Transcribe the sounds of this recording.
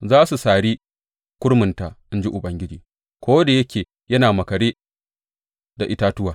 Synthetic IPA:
zaː˦su˨saː˨ɽi˦ | kʷʊ˦ɽmʊ˨nta˨ʔɪ˦nd͡ʒi˦ʔʊ˨ɓɐ˨ŋɡʲɪ˦d͡ʒiː˨ | kʷoː˦da˨jɐ˦kʲeː˨ | jɐ˦naː˨mɐ˨kɐ˨ɽeː˦ | da˨ʔɪ˦taː˦tʊ˦waː˨

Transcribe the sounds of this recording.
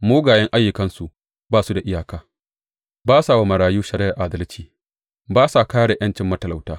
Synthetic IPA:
moː˦ɡaː˨jɐ˦ŋʔa˦jːʊ˨kɐ˦nsu˨ | baː˦˨su˦da˨ʔɪ˦jaː˨kaː˦ | baː˦saː˨wa˦mɐ˨ɽaː˨juː˦ʃɐ˨ɾɪ˦ʔɐ˨ʔaː˨˦dɐ˦lt͡ʃiː˨ | baː˦sa˨kaː˦ɽe˨j̰ʔɐ˦nt͡ʃɪ˨mːɐ˦tɐ˨la˨wtaː˦

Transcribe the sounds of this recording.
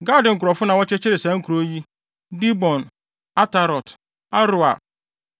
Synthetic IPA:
ɡa˦dɪ̃˨ŋ̩˨kɾɔ˨fʊ˦nã˨wɔ˦t͡ʃɛ˦t͡ʃɪ˦ɾɪ˨sɛ˨˦ŋ̩˦kʰu˨ɾo˦ji˦ | di˦bɔ̃˨n | a˦ta˨ɾɔ˨t | a˦ɾʊ˨a˨

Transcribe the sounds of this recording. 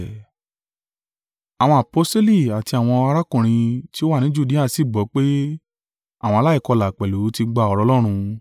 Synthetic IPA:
a˨w̃ɔ̃˧a˨po˨˦ste˦li˦˨a˨ti˧a˨w̃ɔ̃˧a˧ɾa˦kũ˦˨ɾ̃ĩ˧ti˦o˦wa˦˨nĩ˨˦d͡ʒu˦di˦a˦˨˧si˦˨ɡ͡bɔ˨˦k͡pe˦ | a˦˨w̃ɔ̃˧la˦i˦˨kɔ˧la˨k͡pɛ˨lu˨˦ti˧ɡ͡ba˧˨ɔ˧ɾɔ˧˦lɔ˦ɾ̃ũ˧

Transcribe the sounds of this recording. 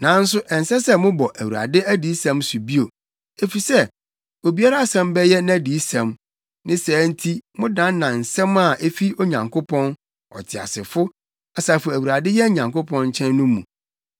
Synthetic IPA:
nã˨˦n̩˦s̬ʊ˦ʔɛ˨n̩˨sɛ˦sɛ˦mʊ̃˦bɔ˨ʔæ˨wu˨ɾa̰˨dɪ˦æ˦di˨˦sɛ̃˦msu˨bi˦o˨ | e˨fi˨sɛ˦ | o˨bi˦a˦ɾa˦a˦sɛ̃˦mbɛ˦jɛ˦n˦æ˦di˨˦sɛ̃˨m | nɪ̃˦sɛː˨˦n̩˦tʰi˦mʊ̃˦dã˦n˦nã˨n̩˨sɛ̃˦ma˦˨ʔe˦fi˦o˦ɲã˨ŋkʰo˦pʰɔ̃˦n | ɔ̰˨tʰɪ˨a̰˨sɪ˨fʊ˦ | a˨saː˨fʊ˨æ˨wu˨ɾa˨dɪ˦jɛ˦ɲã˨ŋkʊ˦pʰɔ̃˦nɲ˦t͡ɕʰɛ̃˦nːʊ̃˦mũ˨

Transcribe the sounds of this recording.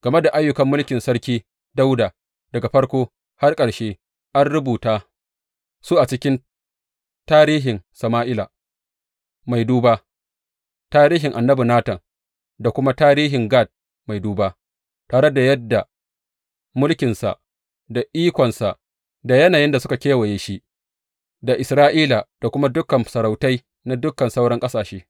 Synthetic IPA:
ɡ̥ɐ˨me˦da˨ʔa˦jːʊ˦kɐ˦mːʊ˦lkʲɪ˨nsɐ˦ɾkʲiː˦ | da˦wda˨ | d̥ɐ˨ɡa˨ɸɐ˦ɽkʷoː˦ | ha˦rkʼɐ˨ɽʃeː˦ | ʔa˦nɽʊ˦buː˨taː˦ | su˦ʔa˨t͡ʃɪ˦kʲɪ˦n | taː˦ɾiː˦ɦɪ˨ŋsɐ˨maː˦ʔɪ˦la̰ː˨ | ma˨jduː˦ba˦ | taː˦ɾiː˦ɦɪ˨ŋʔa˨nːɐ˦bi˨naː˦tɐ˨ŋ | da˨kʷʊ˦ma˦taː˦ɾiː˦ɦɪ˨ŋɡaː˦˨d̚ | ma˨jduː˦ba˦ | taː˨ɽɐ˦da˨jɐ˦dːa˨ | mʊ˦lkʲɪ˨nsa̰˨ʔ | da˨ʔiː˦kʷɔ˨nsa˨ʔ | da˨jɐ˦naː˨jɪ˦nda˨sʊ˦ka˨kʲeː˦wɐ˨jeː˨ʃi˦ | da˨ʔɪ˨sɾaː˦ʔiː˦la˨d̥a˨kʷʊ˦ma˦dʊ˦kɐ˨msɐ˨ɾa˨wta˦j | na˦dʊ˦kːɐ˨nsa˦wɽɐ˦ŋkʼɐ˦saː˨ʃeː˦

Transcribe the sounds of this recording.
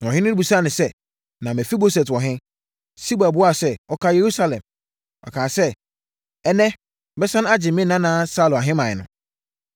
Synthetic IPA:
ɔ˨ɦɪ̃˦nʊ̃˦bu˨sa˦˨nɪ̃˨sɛ˦ | nã˨mɛ̃˨fi˦bo˦sɛ˨twɔ˨ɦɪ̃˦ | si˦ba˨bʊ˦a˦˨sɛ˦˨ɔ˦kʰa˦je˨ɾu˦sa˦lɛ̰̃˨m | ɔ̰˨kʰãː˨sɛ˦ | ɛ˦nɛ̃˦ | bɛ˦sã˦ñ˦a˦d͡ʑɪ˨mɪ̃˦nã˦nãː˦sa˦lʊ˨a˨ɦɪ̃˦mã˨ɪ˨nʊ̰̃˦

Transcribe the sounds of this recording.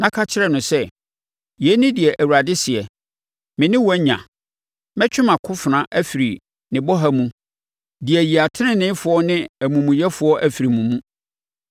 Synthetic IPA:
nã˦kʰa˦t͡ɕʰɪ˦ɾɛ˨nʊ̃˨sɛ˦ | jɛ˨˦nɪ̃˦dɪ˨ɛ˨ʔæ˨wu˨ɾa˨dɪ˦sɪ˨ɛ˨ | mɪ̃˨nɪ̃˦wɛ˦ɲã̰˨ | mɛ̃˦t͡ɕʰᶣɪ˦mã˨kʰʊ˦fɪ˨nã˦ʔæ˦fi˨ɾi˨ | nɪ̃˨bɔ˦ɦa˦mũ˦ | dɪ˨ɛ˨ji˨a˨tʰɪ˦nɪ̃˦nɪ̃˦fʊ˨ɔ˦nɪ̃˦æ˨mũ˨mũ˨jɛ˦fʊ˨˦ɔ˦ʔæ˨fi˨ɾi˨mũ˨mũ˦

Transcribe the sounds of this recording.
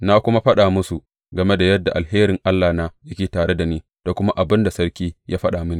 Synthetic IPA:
na˦kʷʊ˦ma˦ɸɐ˦ɗaː˨mʊ˦su˨ | ɡɐ˨me˦da˨jɐ˦dːa˨ʔa˨lheː˦ɾɪ˨ŋʔa˦lːaː˨naː˦jɐ˦kʲeː˨taː˨ɽe˦da˨niː˦ | d̥a˨kʷʊ˦ma˦ʔa˨bɪ˦nda˨sɐ˦ɾkʲiː˦jʔaː˦ɸɐ˦ɗaː˨mɪ˦niː˨

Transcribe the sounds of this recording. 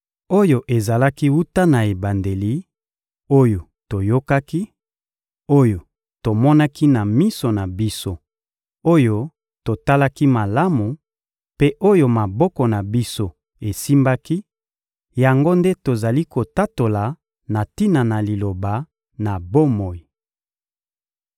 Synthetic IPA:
o˦jo˨ʔe˨za˨la˦ki˦wu˦ta˦na˨e˨ba˨nde˨li˨˦ | o˦jo˨ | to˨jo˦ka˦ki˦ | o˦jo˨ | to˨mɔ˦na˦ki˦na˨mi˦so˨na˨bi˦so˦ | o˦jo˦ | to˨ta˦la˦ki˦ma˨la˦mu˨ | pe˦ʔo˦jo˦ma˨bɔ˦kɔ˨na˨bi˦so˦ | e˨si˦mba˦ki˦ | ja˨ŋɡo˦nde˦to˨za˨li˦ko˨ta˦to˨la˨ | na˨ti˦na˨na˨li˨lo˨ba˨ | na˨bo˦mo˨i˨

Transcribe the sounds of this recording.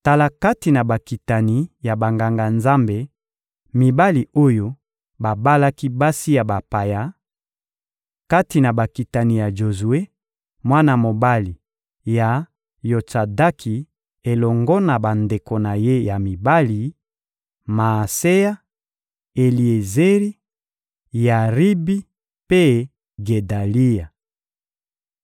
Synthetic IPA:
ta˨la˨ka˦ti˨na˨ba˨ki˨ta˨ni˦ja˨ba˨ŋɡa˨ŋɡa˨nza˦mbe˨ | mi˨ba˦li˨o˦jo˦ | ba˨ba˦la˦ki˦ba˦si˦ja˨ba˨pa˨ja˨˦ | ka˦ti˨na˨ba˨ki˨ta˨ni˦˨ja˨ʒo˨zu˨e˦ | mwa˦na˦mo˨ba˦li˨ | ja˨ | jo˨t͡sa˨da˦kʰi˨ | e˨lɔ˨ŋɡɔ˦na˨ba˨nde˨ko˨na˨je˦ja˨mi˨ba˦li˨ | ma˨se˦ja˦ | e˨li˨e˨ze˦ʁi˦ | ja˨ʁi˦bi˦ | pe˦ | ɡe˨da˨li˦ja˨

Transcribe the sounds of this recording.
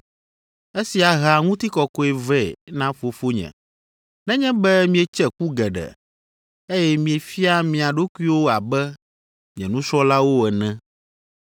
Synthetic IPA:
e˦si˨a˨ɦa˨ŋũ˦t̪i˦kɔ˨kɔ˦ɛ˨vɛ˦˨nã˦fo˨fo˦ɲɛ̰̃˨ | nɛ̃˦ɲɛ̃˦bɛ˦mĩ˦e˨t͡ʃɛ˦ku˦ɡɛ˨ɖɛ̰˨ | e˦jɛ˦mĩ˨e˨fi˦a˦mĩ˨a˨ɖo˦ku˦i˦wo˦a˨bɛ˦ | mĩ˨ɛ̰̃˨nũ˦sɔ˦la˦wo˦ɛ˨nɛ̃˦

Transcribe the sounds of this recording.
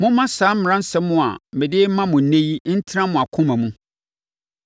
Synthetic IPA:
mʊ̃˦mã˦saː˨˦m̩˦m˨ɾã˦n̩˦sɛ˦mʊ̃˦a̰˨mɪ̃˨dɪ˦mã˦mʊ̃˨nẽ˦ji˦n̩˦tʰɪ˦ɾã˦mʊ̃˨a˨kʰʊ̃˦mæ̃˨mũ˦

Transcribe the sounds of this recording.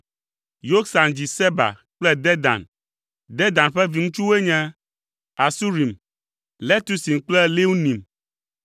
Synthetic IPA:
jo˦ksa˨nd͡ʑi˨sɛ˦ba̰˨ | k͡plɛ˦d̪ɛ˦d̪a̰˨n | d̪ɛ˦d̪ã˨nɸɛ˦vi˨ŋũ˦t͡ʃu˦we˦ɲɛ̃˦ | a˨su˦ɾi˨m | lɛ˦t̪u˦si˨mk͡plɛ˦le˦wu˦nĩ˨m

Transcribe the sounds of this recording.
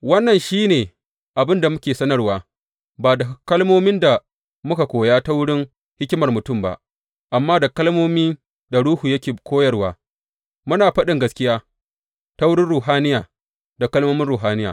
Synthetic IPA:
wɐ˦nːɐ˨nʃiː˦neː˨ | ʔa˨bɪ˦nda˨mʊ˦kʲeː˨sɐ˦nɐ˦rwaː˨ | baː˨da˨˦kɐ˦lmoː˦mɪ˦nda˨ | mʊ˦ka˨kʷoː˨jaː˦ta˦wʊ˦ɽɪ˦ŋ | hɪ˦kʲɪ˦mɐ˨rmʊ˨tʊ˦˨mba̰˨ʔ | ʔa˨mːaː˦da˨kɐ˦lmoː˦miː˦ | da˨ɽuː˦hu˨jɐ˦kʲeː˨kʷoː˦jɐ˦rwaː˨ | mʊ˦naː˨ɸɐ˦ɗɪ˨ŋɡɐ˦skʲɪ˦jaː˦ | ta˦wʊ˦ɽɪ˦nɽuː˨ɦaː˦nɪ˦jaː˨ | da˨kɐ˦lmoː˦mɪ˦nɾuː˨ɦaː˦nɪ˦ja̰ː˨

